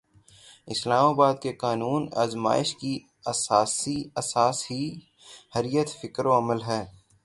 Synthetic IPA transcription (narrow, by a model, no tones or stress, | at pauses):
ɪslaːmaːbaːd̪̚keqaːnuːna̰ːzma̰ːɪʃki | ɐsaːsiɐsaːsɦi | hɐɾijət̪fɪkɾoɐməlɦɛː